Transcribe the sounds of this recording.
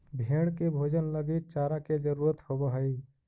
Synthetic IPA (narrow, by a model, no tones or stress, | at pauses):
bʱeɽ̃kebʱoːd͡ʒənləɡit̪̚t͡ʃaːɾaked͡ʒəɾuːɾət̪hobəɦəi